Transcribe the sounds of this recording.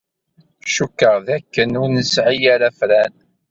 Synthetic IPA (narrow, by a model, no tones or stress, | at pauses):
ʃukːəʁðækːənʊɾnəsʕijaɾæfɾæn